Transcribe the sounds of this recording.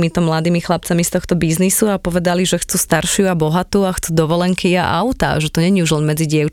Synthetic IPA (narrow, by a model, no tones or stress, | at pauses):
mit̪ɔmlad̪iːmixlap̚t͡samist̪ɔxt̪ɔbiznisuapɔʋɛd̪aliʒɛxt͡sust̪aɾʃɪuabɔɦat̪uːaxt͡sud̪ɔʋɔlɛŋkiaʔa̰ʊt̪a̰ʒɛt̪ɔɲɛɲiuʒlɛnmɛd͡ziɟɪɛʊ